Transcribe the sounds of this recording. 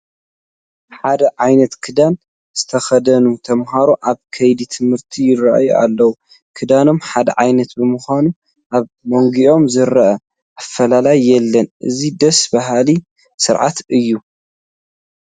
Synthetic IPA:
ħad̪ɐʕajnɐt̪kʰɨd̪an | z̥ɨt̪ʰɐxɐd̪ɐnut̪ʰɐmɦaɾoʔaβkʰɐjd̪it̪ʰɨmhɨɾt̪ʰijɪraʔa̰jua̰lːɐwu | kʰɨd̪ano̞mħad̪ɐ̰ʕajnɐt̪bɨmɨxʷanu | ʔaβ | moŋɡiʔo̞mzɨɾɐʔɐ | ʔafːɐlalajːɛlːɐnʔɨ̰zid̪ɐsbaɦali | sɨɾʕa̰t̪ɨjːu

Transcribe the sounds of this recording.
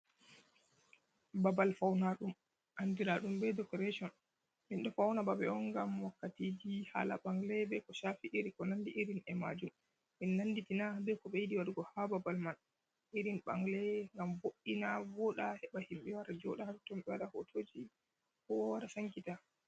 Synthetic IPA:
babalfawnaɗum | ʔandiɾaɗumbɛdɔkɔɾeʃɔn | minɗɔfawnababɛɔnɡamwakːatid͡ʒiha̰la̰ɓaŋɡlɛbɛkɔʃafiʔiɾikɔnandiʔiɾinɛma̰d͡ʒum | minːanditinabɛkɔɓɛjidiwaɾɡɔhababalman | ʔiɾinɓa̰ŋɡlɛŋɡamboɗːinavɔɗahɛɓahimɓɛwaɾad͡ʒɔ̰ɗahaɾtɔmɓɛwaɗahotʰoːd͡ʒi | kɔwwaɾasaŋkita

